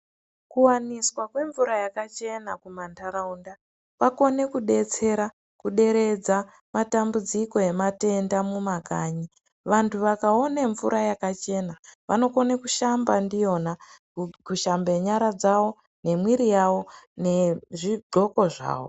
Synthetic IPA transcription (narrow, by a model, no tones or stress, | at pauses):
kuwaniswakwe̞ɱvuɾajakat͡ʃe̞nakumantʰaɾaunda | ʋako̞ne̞kuɗe̞t͡se̞ɾa | kuɗe̞ɾe̞d͡za | matambud͡ziko̞e̞mate̞ndamumakaːɲi | ʋantʰuʋakao̞neɱvuɾʔajakat͡ʃe̞naʋa̰no̞ko̞nekuʃambandijo̞na | kuʃambeɲaɾad͡zawo̞ | ne̞mwiɾijawo̞neʐiɡʱo̞ko̞ʐa̰ːwo